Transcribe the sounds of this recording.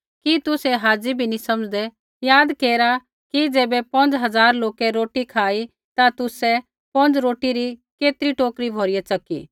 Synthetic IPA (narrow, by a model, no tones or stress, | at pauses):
kit̪ʊsɛɦaːd͡ʒibʱinĩsɐməd͡ʒd̪ɛ | jaːd̪keːɾa | kid͡ʒeːbɛpɐ̃nd͡ʒɦɐzaːɾloːkɛɾoːʈikʰaːi | t̪at̪ʊsɛ | pɐ̃nd͡ʒɾoːʈiɾikeːt̪ɾiʈoːkɾibʱoːɾɪjɛt͡sɐkḭː